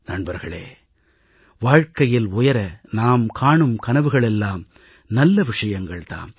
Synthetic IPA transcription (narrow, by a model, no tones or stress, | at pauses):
nɐɳbɐɾɣɐɭḛː | ʋaːɻkɐjɪlʊjɐɾɐnaːmkʰaːɳɯmkɐnɐʋɯɣɐɭɛlːaːm | nɐlːɐʋɪʂɐjɐŋɡɐɭt̪a̰ːm